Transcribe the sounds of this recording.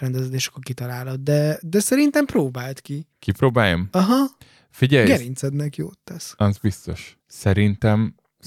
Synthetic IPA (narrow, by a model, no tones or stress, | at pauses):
ɛnd̪ɛzɛd̪eːʃɒ̥kːorkit̪ɒlaːlod̪̚d̪ɛd̪ɛsɛɾint̪ɛmproːbaːlt̪kikipɾoːbaːjomɒɦɒ | fiɟɛjɡɛɾint̪sɛd̪nɛkijo̰ːt̪ːɛsɑzbist̪o̞̰ʃ | sɛɾint̪ɛm